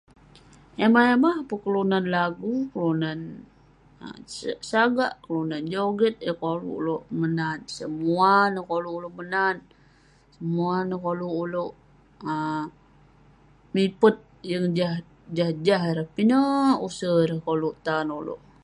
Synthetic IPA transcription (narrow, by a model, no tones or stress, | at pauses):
emaemahpəkəlunanlaɡukəlunan | ə̰saɡa̰ʔkəlunand͡ʒoɡət̪̚jəkolṵʔloʔmənansəmuanəkoluːloʔmənan | səmuanəkoluʔːloʔ | ə | mipət̪̚ | jəŋd͡ʒah | d͡ʒahd͡ʒaɦɾəhpinəusəɾəhkoluʔt̪anolo̰ʔ